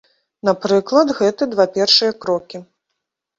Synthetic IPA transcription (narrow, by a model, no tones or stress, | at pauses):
napɾɨklˠɐd̪ɣɛt̪ɨd̪vapʲɛrʂɨjɐkɾɔkʲi